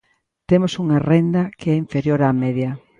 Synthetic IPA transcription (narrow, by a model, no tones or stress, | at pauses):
t̪emosuŋarend̪ɐkeɛiɱfeɾjoɾamɛðjɐ